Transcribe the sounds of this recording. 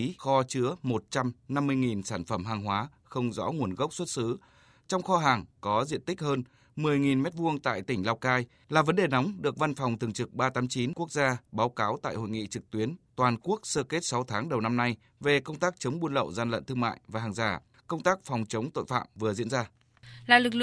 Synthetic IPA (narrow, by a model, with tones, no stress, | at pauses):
xɔ˧t͡ɕɨ˧˥əmo˨˩t̚t͡ɕa˧mna˧mːɨ˧əjŋi˨˩nsaː˧˩nfə˧˩mɦaː˨˩ŋɦwaː˨˦ | xə˧wŋ͡mzɔ̰˧˥ŋu˨˩ənɣə˦˥wk͡p̚swə˦˥t̚sɨ˨˦ | t͡ɕɔ˧wŋ͡mxɔ˧ɦaː˨˩ŋkɔ˨˦zḭ˧˨ənt̪ï˦˥k̟̚həː˧n | mɨ˨˩əjŋi˨˩nmɛ˦˥t̚vu˧əŋt̪a̰ː˧˨jt̪ï˧˩ŋ̟laː˧wkaː˧j | laː˨˩və˨˦nɗe˨˩na˨˦wŋ͡mɗɨ˨˩ək̚va˧nfɔ˨˩wŋ͡mt̪ʰɨ˨˩əŋt͡ɕɨ˨˩k̚ɓaː˧t̪aː˨˦mt͡ɕi˨˦nku˦˥ək̚zaː˧ɓaː˨˦wkaː˨˦wt̪a̰ː˧˨jho̰˧˨jŋḭ˧˨t͡ɕɨ˨˩k̚t̪wi˨˦ənt̪waː˨˩nku˦˥ək̚səː˧ke˦˥t̚sa˨˦wt̪ʰaː˨˦ŋɗə˨˩wna˧mna˧j | ve˨˩kə˧wŋ͡mt̪aː˦˥k̚t͡ɕə˨˦wŋ͡mɓu˧nlə̰˧˨wzaː˧nlə̰˧˨nt̪ɨ˧ma̰ː˧˨jvaː˨˩ɦaː˨˩ŋzaː˧˩ | kə˧wŋ͡mt̪aː˦˥k̚fɔ˨˩wŋ͡mt͡ɕə˨˦wŋ͡mt̪o̰˧˨jfa̰ː˧˨mvɨ˨˩əzḭ˧˥ənzaː˧ | laː˨˩lɨ˨˩k̚lɨ˧˨